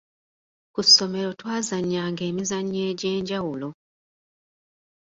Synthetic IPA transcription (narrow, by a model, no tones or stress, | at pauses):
kusːo̞me̞ɾo̞twaːzaɲːaːŋɡe̞ːmizaɲːe̞ːɟeːɲɟawulo